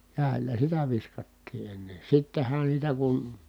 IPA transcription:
kæˑi̯lˑæ sitæ ʋiskɑtːiː enːe sitːen̞hæn sitæ kun

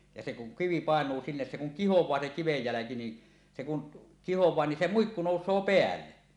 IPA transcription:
jɑ se kuŋ kiʋi pɑˑenˑuː sinːes se kuŋ kihowˑɑː se kiʋej jælæki ni se kun kihowˑɑː ni se muikːu noˑusˑoː peælːe

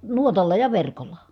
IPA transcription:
nuotɑlːɑ jɑ ʋerkolːɑ

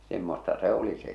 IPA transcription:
semːostɑ se o̝li se

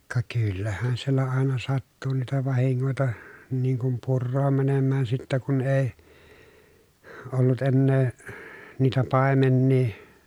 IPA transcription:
kɑ kylːæhæn sielːæ ɑˑenɑ sɑtːu niːtæ ʋɑhiŋːoˑitɑ niːŋ kum purːoːm mænemːæːn sitːæ kun eˑi olːut enːeː niːtæ pɑˑemenːiː

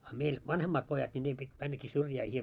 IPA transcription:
ɑ meil ʋɑnhemːɑːt pojɑt nʲi niː pit mænːæki syrjæː

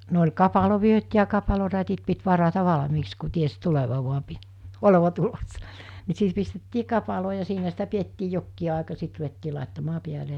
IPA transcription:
no olʲ kɑpɑloʋyøt jɑ kɑpɑlorætit pit ʋɑrɑtɑ ʋɑlɑ̆miːks ku ties tuleʋɑ ʋuɑ pi oleʋɑ tulosːɑ ni sit pistetːiː kɑpɑloː jɑ siːnæ sitæ pietːiː jokːiː ɑˑekɑ sit ruʋetːiː lɑˑetːɑmɑː piæle

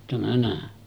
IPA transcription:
tæmæ næˑe

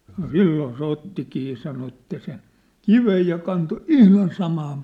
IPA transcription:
sɑno silːoː se otːikiː jɑ̆ sɑno etːæ sen̞ kiʋej jɑ kɑnto ihlɑn sɑmɑːm

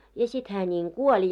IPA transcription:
jɑ sit hæː nʲiŋ kuolʲ

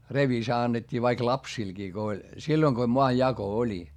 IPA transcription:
reʋisɑ ɑnːetʲːiː ʋɑik lɑpsilɡ̊iː ko olʲ silːoĭŋ ko moɑjːɑko olʲi

